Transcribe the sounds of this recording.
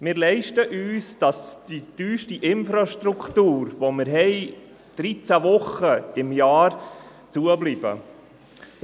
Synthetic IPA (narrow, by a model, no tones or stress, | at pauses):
mɪːɾlɛɪʃtəʔyːsd̥ɑsd̥id̥yːʃtiʔɪnfɾɑʃtɾukʰtuːɾvomɪɾɦɛɪ | d̥ɾit͡sævʊχəɪmjɑːɾ | t͡suəblib̥ə̰